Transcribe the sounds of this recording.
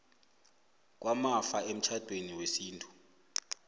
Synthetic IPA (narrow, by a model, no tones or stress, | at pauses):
k̬ʼwamafaem̩t͡ʃʰad̥ʱweniwesiːntʰʼu̥